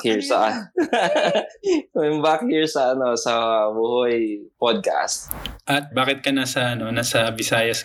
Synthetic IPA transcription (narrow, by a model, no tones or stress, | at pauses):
hiɹsɐʔ | ɛmbakhiːɹsɐʔɐno̞sɐbuːhʊjpod̪̚ka̰st̪̚ʔɐt̪̚baːkɪt̪̚kɐnaːsɐʔɐno̞naːsɐbɪsaːjɐs